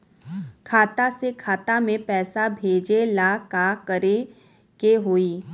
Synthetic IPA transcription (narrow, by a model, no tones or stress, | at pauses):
kʰaːt̪asekʰaːt̪amẽpɛːsabʱeːd͡ʒelaːkakəɾe | keɦoːiː